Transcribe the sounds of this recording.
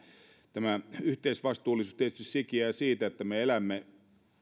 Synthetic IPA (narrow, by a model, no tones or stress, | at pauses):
t̪æmæyht̪eisʋɑst̪uːlːˑisuːst̪iet̪yst̪issikiæsiːt̪æet̪ːæmeelæmːe